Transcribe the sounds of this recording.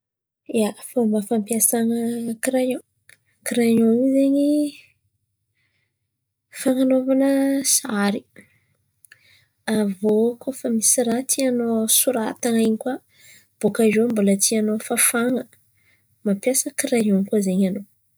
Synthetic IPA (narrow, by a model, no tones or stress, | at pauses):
jafomafampjasaŋəkiɾajo | kiɾajonizeɲi | faŋanovanəsaɾi | avokofamisiɾat̪ʰianosuɾat̪aŋajɲika | b̥okaʒombulət̪ianofafaŋə | mampjasəkiɾajoŋkazeɲano